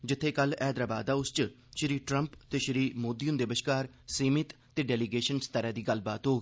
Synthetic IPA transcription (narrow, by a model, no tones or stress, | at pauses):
d͡ʒɪt̪ʰːeːkəlɛːd̪ɾaːba̰ːd̪aːʊst͡ʃ | ʃɪɾiːʈɾəmpt̪eːʃɪɾiːmoːd̪iːʊnd̪ebəʃkaːɾ | seːmɪt̪ | t̪eːɖɛːliɡeːʃənst̪əɾɛ̃ːd̪iːɡəlba̰ːt̪ɦoːɡi